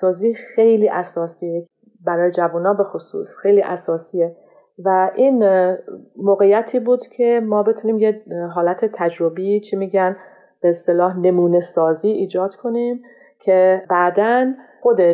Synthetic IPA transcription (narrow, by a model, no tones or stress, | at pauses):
sɒːziːxe̞jliːʔæsɒːsiːe | bæɾɒːje̞d͡ʒævunɒːbe̞xosṵːsxejliːʔæsɒːsiːje | væʔiːn | moːɣejæt̪ʰiːbuːd̪̥cʰe̞mɒːbe̞t̪ʰuniːmjeɦɒːlæt̪ʰe̞t̪ʰæd͡ʒɾo̞bit͡ʃʰimiːɟæn | b̥eːst̪e̞lɒːhne̞muːne̞sɒːziːʔiːd͡ʒɒːd̪̥kʰo̞nim | cʰebæd̪ænxo̞d̪e